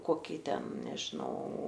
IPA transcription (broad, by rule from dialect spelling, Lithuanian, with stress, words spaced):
ˈkoːkʲiː ˈtʲɛn nʲɛʒʲɪˈnɐʊ